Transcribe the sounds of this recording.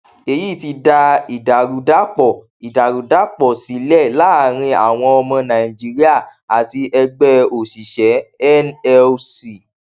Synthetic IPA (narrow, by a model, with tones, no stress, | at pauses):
e˧ji˦˨ti˧da˧i˨da˨ɾu˨da˦k͡pɔ˨ | i˨da˨ɾu˨da˨˦k͡pɔ˨si˨˦lɛ˦˨la˨˦˨ɾ̃ĩ˧a˦˨w̃ɔ̃˧ɔ˧mɔ̃˧nã˨ĩ˨d͡ʒi˨˦ɾi˦a˦˨a˨ti˧ʔɛ˧ɡ͡bɛ˦o˨ʃi˨ʃɛ˨˦ɛ˦nɛ˧si˨